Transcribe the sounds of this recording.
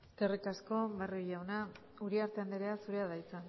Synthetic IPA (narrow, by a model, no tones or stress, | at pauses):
t̪erikasko̞βarojawna | uɾiaɾt̪e̞and̪eɾe̞asuɾe̞aðajt͡sen